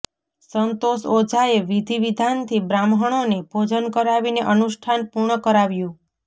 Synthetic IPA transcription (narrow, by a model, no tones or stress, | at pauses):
sənt̪osod͡ʒʱaeʋid̪ʱiʋid̪ʱant̪ʰibɾamɦəɽ̃onebʱod͡ʒənkəɾaʋineʔənuʃʈʰanpuɾɳəkəɾaʋjũ